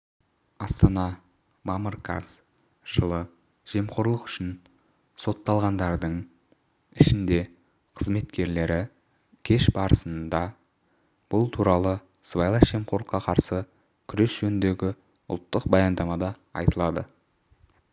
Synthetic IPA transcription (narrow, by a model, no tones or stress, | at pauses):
ɑst̪ɑnɑ | mɑməɾkʰɑ̰z | ʒ̥əlˠə | ʒ̥e̞mqo̞ɾlˠəqʏ̥ʃɪn | so̞t̪ːɑlˠʁɑnd̪ɑɾd̪əɴ | ɪʃɪnd̪e̞ | qʰəzme̞t̪kʲe̞ɾle̞ɾɪ | kʲʰe̞ʃbɑɾəsənd̪ɑ | b̥ʊlˠt̪ʰuɾɑlˠə | svajlˠɑsʒ̥e̞mqʰo̞ɾlˠəqːɑqʰɑɾsə | kʲʰʏɾe̞sʒ̥ɵnɪnd̪e̞ɡʲɪ | ʊ̰lˠt̪ːəq̚bɑjɑnd̪ɑmɑd̪ɑ | ɑ̰jt̪əlˠɑd̪ə̰